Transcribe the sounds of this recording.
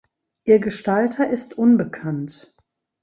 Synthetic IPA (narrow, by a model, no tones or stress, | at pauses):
ʔiːɐɡəʃtaltʰɐʔɪstʔʊnbəkʰant